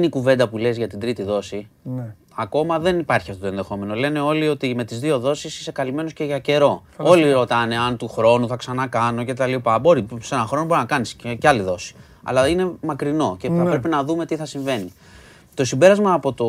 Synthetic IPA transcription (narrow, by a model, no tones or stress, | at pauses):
nikuve̞nd̪ɐpule̞zʝɐt̪ind̪ɾit̪iðo̞si | ɐko̞mɐðe̞nipɐɾçiɐft̪ot̪e̞nðe̞xo̞me̞no̞le̞ne̞o̞lio̞t̪ime̞t̪izðio̞ðo̞sisi̥se̞kɐlime̞no̞sce̞ʝɐce̞ɾo̞ | o̞liɾo̞t̪ɐne̞ɐnt̪uxɾo̞nuθɐksɐnɐkɐno̞ce̞t̪ɐlipɐbo̞ɾise̞nɐxɾo̞nobo̞ɾinɐkɐnisceɐliðo̞si̥ | ɐ̰lɐine̞mɐkɾino̞ceθɐppɾepinɐðume̞t̪iθɐsiɱve̞ni | t̪o̞simbe̞ɾɐzmɐːpo̞t̪o̞